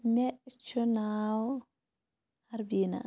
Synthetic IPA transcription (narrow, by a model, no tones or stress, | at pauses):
mɛt͡ʃunaw | haɾbina̰